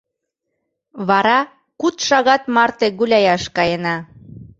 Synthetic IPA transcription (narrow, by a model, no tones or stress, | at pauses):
βɑɾɑ | kut̪ʃɑɣɑt̪mɑrt̪eɣulʲɑjɑʃkɑjenɑ